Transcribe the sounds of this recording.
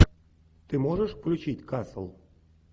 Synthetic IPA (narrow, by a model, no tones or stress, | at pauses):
t̪ɨmoʒəʃplʲut͡ɕitʲkɑsə̰̆lˠ